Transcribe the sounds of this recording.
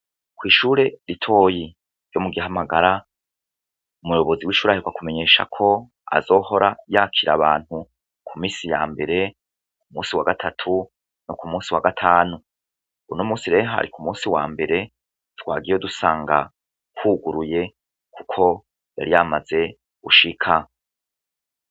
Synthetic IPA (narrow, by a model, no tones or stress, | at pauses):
kwiːʃuːɾe̞ɾitʰo̞ːji | ɾjo̞muɡiɦamaɡaɾa | umujo̞βo̞ziwiːʃuːɾaiɡwakume̞ɲe̞ːʃa̰kʰo̞ | a̰zo̞ːho̞ɾajaːkʰiɾa̰βaːn̥hu | kʰumiːsija̰ːmbe̞ɾe̞ | kumũːsiwaɡatʰatʰu | nokumũːsiwaɡatʰaːnu | unomuːsiɾe̞ːɦa̰ɾikumũːsiwaːmbe̞ɾe̞ | twaːɡijodusaːŋɡa | kuːɡuɾuje̞ | kʰukʰo̞ | ja̰ɾijamaze̞ | ɡuʃikʰa